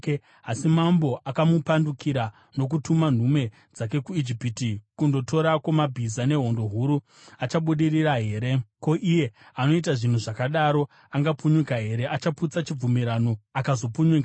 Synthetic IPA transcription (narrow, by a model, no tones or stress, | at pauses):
asimambo̞ʔakamupandukiɾa | no̞k̬utuman̤ume̞ | d͡zak̬e̞kuid͡ʒipitikundo̞to̞ɾakwomabʱizane̞ɦo̞ndo̞ɦuɾu | at͡ʃaɓuɗiriraɦe̞ːɾe̞ko̞ʔije̞ | ano̞it̬aʐin̤uʐakaɗaɾo̞ | aŋɡapuɲukaɦe̞ɾe̞ʔat͡ʃaput͡sat͡ʃib͡vumiɾano̞akazo̞puɲuka